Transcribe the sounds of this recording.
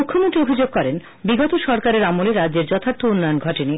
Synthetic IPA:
ukʰːomoʈɾiobʱid͡ʑoɡ̚kɔɾen | biɡɔt̪oʃɔɾkaɾeɾamoleɾad͡ʑd͡ʑeɾd͡ʑɔt̪ʰaɾt̪ʰounːɔjonɡʱɔʈini

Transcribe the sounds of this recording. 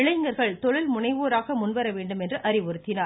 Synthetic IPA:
ɪɭɐɪŋɡɐɾɣɐɭt̪ɔɻɪlmʊnɐɪʋoːɾaːɣɐmʊnʋɐɾɐʋeːɳɖɯmɛndrɯʔɐɾɪʋɔɾɯt̪ːɪnaː

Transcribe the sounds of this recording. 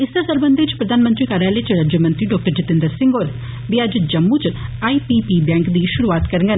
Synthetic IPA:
ɪsasəɾbənd̪iɪt͡ʃpɾəd̪aːnmənt̪ɾiːkaːɾalet͡ʃɾaːd͡ʒəmənt̪ɾiːɖɔːk̚ʈəɾd͡ʒɪt̪ɪ̃nd̪əɾsɪ̃ŋɡoːɾ | ʋiːəd͡ʒd͡ʒəmːut͡ʃaːiːpiːpiːbɛ̃ːŋkd̪iːʃʊɾuaːt̪kəɾə̃ŋɡən

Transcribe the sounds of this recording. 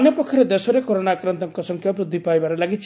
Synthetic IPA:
njɔpɔkkʰjɔɾed̪esɔɾekoɾonakɾɔnt̪ɔŋkɔsɔŋkʰjapɾud̪ʱːipaebaɾelaɡit͡ʃʰ

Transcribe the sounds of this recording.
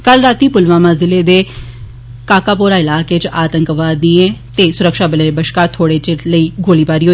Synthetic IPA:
kəlɾaːt̪iːpʊlʋaːmãːzɪleːd̪eː | kaːkaːpoːɾaːɪlaːkeːt͡ʃaːt̪əŋkʋaːd̪ĩːẽːt̪eːsʊɾəkʃaːbəleːɾbəʃkaːt̪ʰːoːɽeːt͡ʃeləiːɡoːliːpaːɾiːɦoː

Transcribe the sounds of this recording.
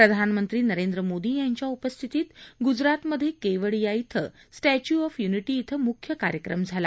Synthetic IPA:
pɾəd̪ʱanmənt̪ɾiːnəɾend̪ɾəmod̪iːjaɲt͡ɕjaupəst̪ʰit̪iːt̪ɡud͡zɾat̪məd̪ʱjekeʋəɭjait̪ʰə̰sʈæt͡ɕuɔfjuniʈiːt̪ʰəmukʰːjəkaɾjəkɾəmd͡zʱala

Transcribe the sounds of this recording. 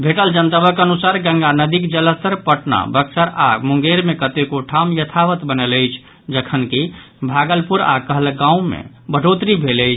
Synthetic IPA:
bʱeʈəld͡ʒənt̪əbəkənusaɾɡə̃ŋɡanəd̪ikd͡ʒələst̪əɾpəʈna̰bəksəɾa̰muŋ̆ɡeɾmekət̪ekoʈʰamjət̪ʰaʋət̪bənələjt͡ʃʰ | d͡ʒəkʰənki | bʱaɡəlpuɾa̰kəɦəlɡãũmḛ | bʱəɖot̪ɾibʱeləjt͡ʃʰ

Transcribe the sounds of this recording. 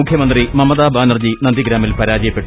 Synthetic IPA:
ukʰjɐmɐnd̪rimɐmːɐðaːbʱaːnɐrd͡ʑinɐnd̪iɡɾaːmilpɐɾaːd͡ʑɐjɐpːeʈːu

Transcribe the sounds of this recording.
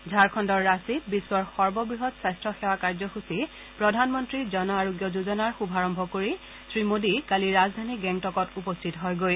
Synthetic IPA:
zʱaɹkʰɔndɔɹːasibisːwɔɹxɔɹbɔbɹiɦɔtsajstɹɔxɛwakaɹzɔxusi | pɹɔdʱanmɔntɹizɔnɔaɹoɡjɔzuzɔnaɹxubʱaɹɔmbʱɔkoɹi | sɹimodikaliɹazdʱaniɡɛntɔkɔtupɔstʰitɔɦɔjɡoj

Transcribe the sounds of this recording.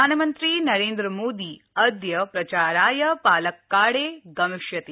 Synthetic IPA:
aːnɐmɐnt̪ɾiːnɐɾeːnd̪ɾɐmoːd̪iː | ɐd̪jɐpɾɐt͡ʃaːɾaːjɐpaːlɐkːaːɽeːɡɐmɪʃjɐt̪i

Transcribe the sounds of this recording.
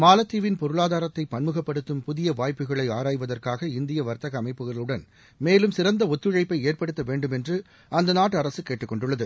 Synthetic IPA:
maːlɐt̪ːiːʋɪnpɔɾɯɭaːðaːɾɐt̪ːɐɪpːɐnmɯɣɐpːɐɽɯt̪ːɯmpʊðɪjɐʋaːjpːɯɣɐɭɐɪaːɾaːjʋɐðɐrkaːɣɐɪnd̪ɪjɐʋɐɾt̪ɐɣɐːmɐɪpːɯɣɐɭɯɽɐn | meːlɯmsɪɾɐnd̪ɐɔt̪ːɯɻɐɪpːɐɪeːrpɐɽɯt̪ːɐʋeːɳɖɯmɛndrɯ | ɐnd̪ɐnaːʈːɐɾɐsɯkeːʈːɯkːɔɳɖɯɭːɐðɯ

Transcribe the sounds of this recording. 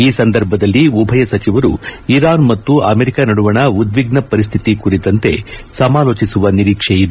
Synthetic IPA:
iːsɐnd̪ɐɾbʱɐd̪ɐlːiubʱɐjɐsɐt͡ʃiʋɐɾṵiɾaːnmɐt̪ːuʔɐmeɾikanɐɽuʋɐɳɐud̪ʋiɡnɐpɐɾis̬t̪ʰit̪ikuɾit̪ɐnt̪e̞̰sɐmaːloːt͡ʃisuʋɐniɾiːkʂeid̪

